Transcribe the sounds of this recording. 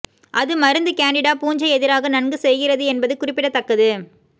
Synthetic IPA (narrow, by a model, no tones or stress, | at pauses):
ʔɐðɯmɐɾɯnd̪ɯkaːɳɖɪɽaːpuːɲd͡ʒɐɛðɪɾaːɣɐnɐɳɡɯsɛjɣɪrɐðɯɛnbɐðɯkʊrɪpːɪɽɐt̪ːɐkːɐðɯ